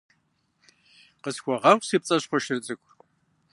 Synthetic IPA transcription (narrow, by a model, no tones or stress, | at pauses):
qəsxʷɔʁɐχʷsiːp̚t͡sʼɐɕχʷɔʃɪrt͡sʼɨkʷ